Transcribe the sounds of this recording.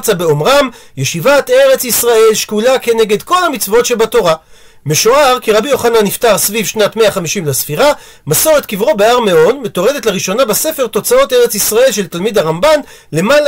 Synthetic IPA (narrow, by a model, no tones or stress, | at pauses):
t͡sabe̞omʁamjeʃivat̪e̞ʁe̞t͡sisʁae̞lʃkulake̞ne̞ɡe̞d̪ko̞lhamit͡svo̞tʃe̞bato̞ʁa | meʃoaʁkiʁabijo̞χananiftaʁsvivʃnatmeaχamiʃimlesfiʁa | maso̞ʁet̪kivʁo̞beaʁmeo̞nmet̪o̞ʁe̞detlaʁiʃo̞nabase̞fe̞ʁt̪o̞t͡sao̞te̞ʁe̞t͡sisʁae̞lʃe̞lt̪almid̪aʁamban | le̞mal